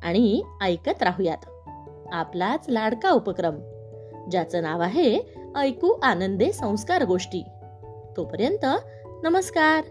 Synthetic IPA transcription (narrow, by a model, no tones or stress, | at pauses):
a̰ɽ̃iəjkət̪ɾaɦuja̰t̪ | aplat͡slaɽkaupəkɾəm | d͡ʑjat͡sənaʋaɦeəjkuːʔanənd̪esə̃w̃skaɾɡoʂʈiː | t̪opəɾjənt̪ə | nəməskaɾ